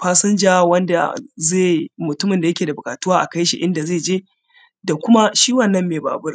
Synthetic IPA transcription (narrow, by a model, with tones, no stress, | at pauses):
ɸaː˦sɪ˦nd͡ʒaː˦wɐ˦nda̰˨zeː˦˨mʊ˨tʊ˦mɪ˨nda˨jɐ˦kʲeː˨da˨bʊ˨kʼaː˨tu˦waː˦ʔa˨ka˦jʃḭ˨ʔɪ˦nda˨zeː˦˨d͡ʒeː˦ | da˨kʷʊ˦ma˦ʃiː˦wɐ˦˨nːɐ˦mːeː˨ba̰ː˨bʊ˦r